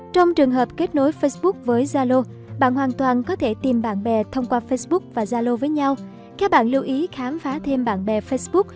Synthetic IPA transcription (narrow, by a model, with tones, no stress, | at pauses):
t͡ɕɔ˧wŋ͡mt͡ɕɨ˨˩əŋɦəː˨˩p̚ke˦˥t̚no˨˦jfə˧jsɓʊ˦˥k̚vəː˨˦jzaː˧lo˧ | ɓa̰ː˧˨nɦwaː˨˩nt̪waː˨˩nkɔ˨˦t̪ʰe˧˩t̪i˨˩mɓa̰ː˧˨nɓɛ˨˩t̪ʰə˧wŋ͡mkwaː˧fə˧jsɓʊ˦˥k̚vaː˨˩zaː˧lo˧vəː˨˦jɲa˧w | kaː˦˥k̚ɓa̰ː˧˨nli˧wʔi˨˦xaː˨˦mfaː˨˦t̪ʰe˧mɓa̰ː˧˨nɓɛ˨˩fə˧sɓʊ˦˥k̚